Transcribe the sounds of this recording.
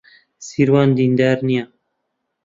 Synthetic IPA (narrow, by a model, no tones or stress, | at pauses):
siɾwɑːnd̪ind̪æɾnijɑ